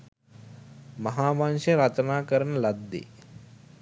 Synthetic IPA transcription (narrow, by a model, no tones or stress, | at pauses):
mɐɦaːmaːnʃɐɾɐt̪ɐnaːkɐɾɐnɐlɐd̪ːḛ